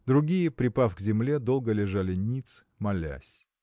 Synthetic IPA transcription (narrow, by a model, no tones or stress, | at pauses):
d̪ɾʊɡʲijəpɾʲɪpafɡzʲɪmlʲed̪o̞lˠɡəlʲɪʐalʲɪnʲit̪s | mɐlʲæ̰sʲ